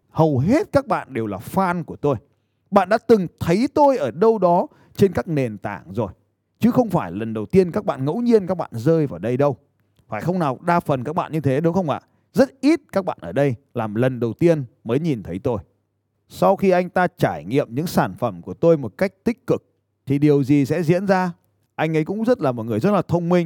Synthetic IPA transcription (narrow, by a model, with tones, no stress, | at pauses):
hə˨˩wɦe˦˥t̚kaː˦˥k̚ɓa̰ː˧˨nɗe˨˩wlaː˨˩faː˧nku˧˩ət̪o˧j | ɓa̰ː˧˨nɗa̰ː˧˦˥t̪ɨ˨˩ŋt̪ʰə˨˦jt̪o˧jʔəː˧˩ɗə˧wɗɔ˨˦ | t͡ɕe˧nkaː˦˥k̚ne˨˩nt̪a̰ː˧˩ŋzo˨˩j | t͡ɕɨ˨˦xə˧wŋ͡mfaː˧˩jlə˨˩nɗə˨˩wt̪i˧ənkaː˦˥k̚ɓa̰ː˧˨nŋə̰˧˥wɲi˧ənkaː˦˥k̚ɓa̰ː˧˨nzəː˧jvaː˨˩ɗə˧jɗə˧w | faː˧˩jxə˧wŋ͡mnaː˨˩wɗaː˧fə˨˩nkaː˦˥k̚ɓa̰ː˧˨nɲɨ˧t̪ʰe˨˦ɗʊ˨˦ŋ͡mxə˧wŋ͡mʔa̰ː˧˨ | zə˦˥t̚ʔi˦˥t̚kaː˦˥k̚ɓa̰ː˧˨nʔəː˧˩ɗə˧jlaː˨˩mlə˨˩nɗə˨˩wt̪i˧ənməː˨˦jɲi˨˩nt̪ʰə˨˦jt̪o˧j | sa˧wxi˧ʔa˧jŋ̟t̪aː˧t͡ɕaː˧˩jŋḭ˧˨əmɲɨ̰˧˥ŋsaː˧˩nfə˧˩mku˧˩ət̪o˧jmo˨˩t̚ka˦˥jk̟̚t̪ï˦˥k̚kːɨ˨˩k̚ | t̪ʰi˨˩ɗi˨˩əwzi˨˩sɛ̰˧˥zḭ˧˥ənzaː˧ | ʔa˧jŋ̟ʔə˨˦jkʊ̰˧˥ŋ͡mzə˦˥t̚laː˨˩mo˨˩t̚ŋɨ˨˩əjzə˦˥t̚laː˨˩t̪ʰə˧wŋ͡mmï˧ŋ̟